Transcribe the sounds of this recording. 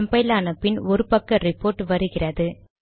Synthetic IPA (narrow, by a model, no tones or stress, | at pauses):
mbɐɪlaːnɐpːɪnɔɾɯpɐkːɐɾɪpːoːɾʈːʋɐɾɯɣɪrɐðɯ